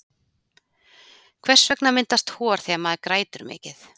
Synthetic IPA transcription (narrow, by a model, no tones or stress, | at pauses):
kʰvɛ̥svɛknamɪnt̪ast̪hɔːɾ̥θiamaðɾkɾaːjt̪ʏɾmɪ̰ːcɪθ